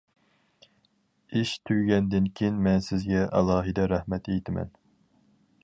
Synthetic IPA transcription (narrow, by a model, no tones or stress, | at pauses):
iʃt̪ʰyjɡʲɛnd̪ɪnkʲʰejinmɛnsɪzɡʲɛʔɑ̰lˠɑːɦɨd̪ɛɾæhmɛt̪ejt̪ʰɪmɛ̰n